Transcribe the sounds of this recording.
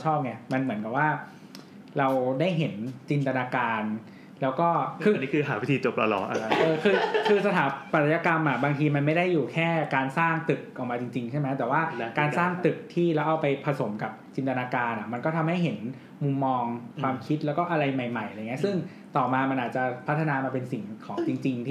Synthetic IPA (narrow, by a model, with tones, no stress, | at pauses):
t͡ɕʰɔː˥˩p̚ŋɛ˧˩ma˧nmɯ˩˦ənka˨˩p̚waː˥˩ | ɾa˧wdaː˥˩jɦe˩˦nt͡ɕi˧nt̪a˧naː˧kaː˧n | lɛː˦˥wkɔː˥˩kʰɯː˧ni˦˥kʰɯː˧ɦaː˩˦wi˦˥t̪ʰiː˧t͡ɕo˨˩p̚la̰˧lɔ̰˨˩˦ʔa̰˧˩˧ʔɤː˧kʰɯː˧kʰɯː˧sa˧t̪ʰaː˩˦pa˨˩˧ja˧ka˧mʔa˨˩baː˧ŋt̪ʰiː˧ma˧nma˥˩jda˥˩jːuː˨˩kʰɛː˥˩kaː˧nsaː˥˩ŋt̪ɯ˨˩k̚ʔa˨˩k̚maː˧t͡ɕi˧ŋt͡ɕi˧ŋt͡ɕʰa˥˩ma˦˥jt̪ɛː˨˩waː˥˩kaː˧nsaː˥˩ŋt̪ɯ˨˩k̚t̪ʰiː˥˩lɛː˦˥wʔa˧wpa˧jpʰa˧so˩˦mka˨˩p̚t͡ɕi˧nt̪a˧naː˧kaː˧nʔa˨˩ma˧nkɔː˥˩t̪ʰa˧mɦa˥˩jɦe˩˦n | mu˧mːɔː˧ŋkʰwaː˧mkʰi˦˥t̪̚lɛː˦˥wkɔː˥˩ʔa˧ɾa˧jma˨˩jma˨˩jʔa˧ŋːi˦˥sɯ˥˩ŋ | t̪ɔː˨˩maː˧ma˧nʔaː˨˩t̪̚t͡ɕa˨˩pʰa˦˥t̪ʰːa˧naː˧maː˧pe˧nsi˨˩ŋkʰɔ̰ː˩˦ŋt͡ɕi˧ŋt͡ɕi˧ŋt̪ʰː